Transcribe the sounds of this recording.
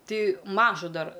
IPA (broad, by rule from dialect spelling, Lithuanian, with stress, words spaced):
ˈtɐɪ ˈmɑːʒʊ ˈdɐr